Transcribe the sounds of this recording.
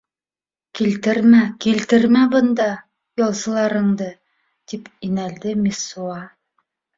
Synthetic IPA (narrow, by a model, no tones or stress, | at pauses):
kilt̪ɘɾmækilt̪ɘɾmæbɤ̆nd̪ɑ | jɒlˠzɤ̆lˠɑɾɤ̆ɴd̪ɤ | t̪ipinæld̪ɘmʲisuɑ